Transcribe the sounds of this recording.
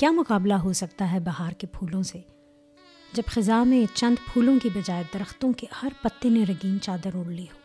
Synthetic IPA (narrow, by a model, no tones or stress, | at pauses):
kjaːmʊkaːblaɦosɐk̚t̪aɦɛbɐɦaːɾkepʰuːlõse | d͡ʒɐbxɪzaːmẽt͡ʃɐ̃nd̪pʰuːlõkibɐd͡ʒaːed̪ɐɾəxt̪õkehɐɾpɐt̪ːeneɾɐɡiːnt͡ʃaːd̪əɾoːɽliɦoː